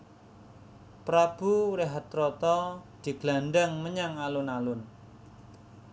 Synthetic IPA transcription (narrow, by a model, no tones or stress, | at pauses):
pɾab̥uɾeɦat̪ːɾɔt̪ɔd̪̥i̤ɡ̥lanɖaŋməɲaŋalʊnalʊn